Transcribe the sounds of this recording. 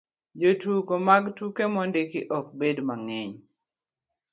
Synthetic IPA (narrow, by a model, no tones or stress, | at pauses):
d͡ʒotukomaɡtukemɔndɪkɪʔɔk̚bedmaŋeɲ